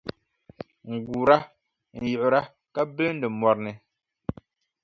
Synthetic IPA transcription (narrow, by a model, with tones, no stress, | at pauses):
ŋ̩˨ɡuː˨ɾa˦ | n̩˨jʊ˨ʔʊ˨ɾa˦ | ka˦bɨ˦ln̩˦dɨ˨mɔ˨ɾnɨ˨